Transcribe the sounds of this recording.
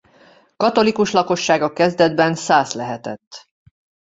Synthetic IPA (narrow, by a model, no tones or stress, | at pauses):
kɒt̪o̞likuʃlɒko̞ʃːaːɡɒkɛzd̪ɛd̪bɛnsaːslɛɦɛt̪ɛ̰t̪ː